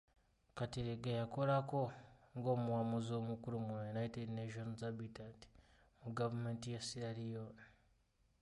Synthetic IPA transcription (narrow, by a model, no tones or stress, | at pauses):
katiɾeɡajakoɾakoŋɡomuwamuziomukuɾumwejunaitedneʃonzabitanti̥ | muɡavumentijasiɾaɾijon